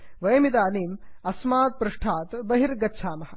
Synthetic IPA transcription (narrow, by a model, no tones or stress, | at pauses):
ʋɐjɐmit̪aːniːmɐsmaːt̪̚pɾuʂʈʰaːt̪bɐɦiɾɡɐtːʃʰaːmɐhɐ̆